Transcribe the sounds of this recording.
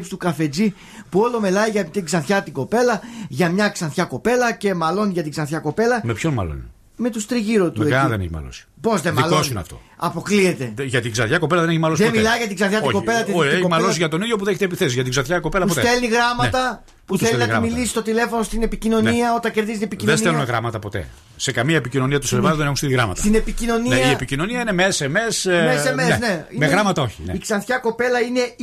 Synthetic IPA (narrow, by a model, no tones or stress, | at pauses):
pst̪ukɐfe̞d͡zi | puo̞lo̞milɐiʝɐt̪iɡzɐnθçɐt̪iɡo̞pe̞lɐʝɐmɲɐksɐnθçɐko̞pe̞lɐce̞mɐlo̞nʝɐt̪iɡzɐnθçɐko̞pe̞lɐmepçonmɐ̰lo̰nḭ | me̞t̪ust̪ɾiʝiɾot̪ueðeneçimɐ̰lo̰si̥po̞zðemɐlosin̰ɐ̰ft̪o̰ɐpo̞kliet̪e̞ʝɐt̪iɡzɐnθçɐkopelɐðeneçimɐlosemilɐiʝɐt̪iɡzɐnθçɐt̪ɡo̞pe̞lɐt̪ieoimɐlosʝɐt̪o̞niðjopuðeçet̪epiθesizʝɐt̪iɡzɐnθçɐkope̞lɐpuposet̪elniɣɾɐmɐt̪ɐ | puθelenɐɣɐmmilisist̪ot̪ile̞fo̞nost̪ine̞picino̞niɐo̞t̪ɐɲceɾðizit̪iepicinðeselumeɣɾɐmɐt̪ɐpo̞t̪e̞̰ | se̞kɐmiɐepicino̞niɐt̪uselɐðenexunst̪iliɣɾɐ̰mɐ̰tsɐinepicino̞nineepicino̞niɐinemeeseme̞smessemeeneimeɣɾɐmɐt̪ɐo̞çineiksɐnθçɐko̞pe̞lɐine̞